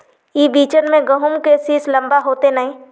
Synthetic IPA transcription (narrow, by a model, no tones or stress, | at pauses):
iːbiːt͡ʃənmẽɡəɦʊmkesislɐ̃mbaɦoːt̪enɐɦĩː